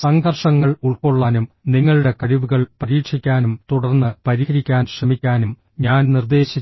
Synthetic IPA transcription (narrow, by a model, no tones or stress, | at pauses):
sɐŋɡʱɐrʂɐŋːɐɭuɭkoɭːaːnumniŋːɐɭuɽe̞kɐɻiʋuɣɐɭpɐɾiːkʂikʲːaːnumt̪uɽɐrnːɨpɐɾiɣɐɾikʲːaːnɕrɐmikʲːaːnum | ɲaːnnird̪e̞ːɕi